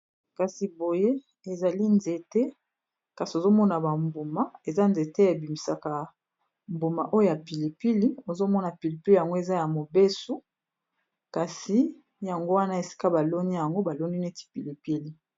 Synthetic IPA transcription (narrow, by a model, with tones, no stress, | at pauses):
ka˨si˨bo˨je˦ | e˨za˨li˦nze˨te˦ | ka˨si˨o˨zo˦mɔ˦na˨ba˨mbo˨ma˦e˨za˦nze˨te˦e˨bi˨mi˨sa˨ka˨ | mbo˨ma˨ʔo˦jo˦ja˨pi˨li˨pi˦li˦o˨zo˦mɔ˦na˨pi˨li˨pi˦li˦ja˨ŋɡo˦e˨za˦ja˨mo˨be˦su˦ | ka˨si˨ | ja˨ŋɡo˦wa˦na˦e˨si̥˦ka˦ba˨lo˦ni˦ja˨ŋɡo˦ba˨lo˦ni˦ne˦ti̥˦pi˨li˨pi˦li˦